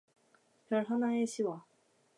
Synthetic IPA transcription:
pjʌɭɦanaeɕʰiwa

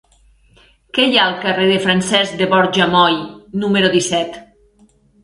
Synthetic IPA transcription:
kɛjaəlˠkareðefɾansɛzd̪eβɔɾʒamɔjnumeɾoðisɛt̪

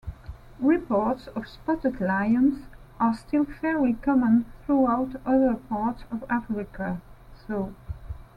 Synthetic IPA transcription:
ɹɪpʰɔɹtsʌv̥spɔtɨdlaɪə̃nsʔə˞stʰɪlˠfɛɹlikʰɑmə̃nθɹuaʊtʌðə˞pʰɑɹtsʌvafɹɪkʰəsoʊ

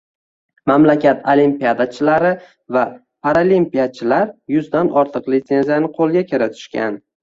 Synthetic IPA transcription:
mamlakʲʰat̪ʰolimpijad̪at͡ʃʰɪlaɾɪ | va | pʰaɾalimpijat͡ʃʰɪlaɾjʊzd̪anɒɾt̪ʰɨqlɪt̪se̞nzijanɪqʰolˠɡʲakʲɪɾat̪ʰʊ̥ʃkʲa̰n

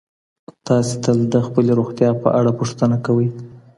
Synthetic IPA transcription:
t̪ɑset̪ald̪əxpəleɾoɣt̪jɑpə̰ʔaɽapuʂt̪ənakawəj

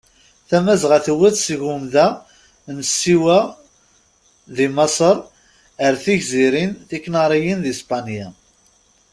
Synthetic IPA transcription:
θæmæzʁaθəwæθsʝumðæ | nsːiwæ | ðimɑsˤəɾˤ | əɾθiʝziɾinθikːnɑɾˤijinðispɑnja

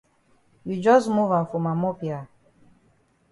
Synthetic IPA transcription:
jud͡ʒɔsmuvãnfumamopja

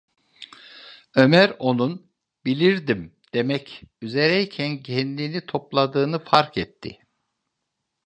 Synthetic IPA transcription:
ø̞mæɾo̞nun | bilʲiɾd̪imd̪̥e̞mɛcyze̞ɾɛicʰænɟɛnlʲinit̪ʰo̞plˠad̪ɯːnɯfaɾkɛt̪ʰːɪ̰

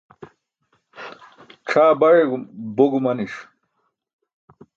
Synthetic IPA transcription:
ʈ͡ʂʰaːbɐɻeɡboɡumɐniʂ

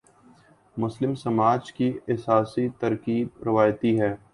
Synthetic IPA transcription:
mʊslɪmsɐmaːd͡ʒkiɛsaːsit̪ɐɾkiːb̚ɾɪʋaːjt̪iɦɛː

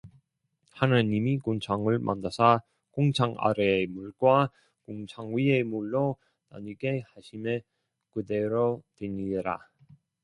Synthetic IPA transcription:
hanaɲimikont͡ɕʰaŋɯɭmʔa̰nːasʰa | koŋt͡ɕʰaŋa̰ɾemuɭɡwa | koŋt͡ɕʰaŋɥiemuɭːo | na̰ɲiɡe̞haɕʰime | kɯde̞ɾotweɲiɾa̰

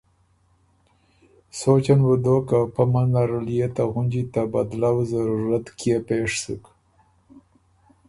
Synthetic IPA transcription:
sot͡ʃanwəd̪okapamanlaɾalijet̪aɣund͡ʒit̪aba̰d̪lawzaɾuɾat̪kjepeʂsə̰k

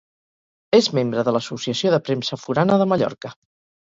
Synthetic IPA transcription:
ezmembɾəðələsusiəsioðəpɾemsəfuɾanəðəməʎɔ̰ɾkə

